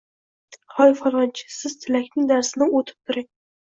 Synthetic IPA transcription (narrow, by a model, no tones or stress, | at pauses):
χɒjɪfqɒlˠʁɑnt͡ʃʰɪ̥sɪz̥t̪ʰɪlakʲnɪŋd̪aɾsɪnɪot̪ʰɪ̥p̚t̪ʰʊɾɪŋ